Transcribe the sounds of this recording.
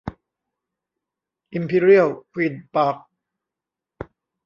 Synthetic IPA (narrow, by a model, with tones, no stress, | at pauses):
ʔi˧mpʰi˧˥ɾi˥ə˨wkʰwi˧˩npaː˦˥k̚